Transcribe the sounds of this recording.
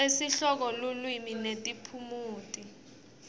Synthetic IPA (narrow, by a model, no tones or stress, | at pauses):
esiɬɔk̬ɔlulwiminetʼipʰumuːtʼi